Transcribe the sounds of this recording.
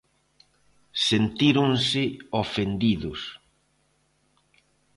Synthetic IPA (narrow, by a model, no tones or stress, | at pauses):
sent̪iɾʊnsɪofend̪iðʊs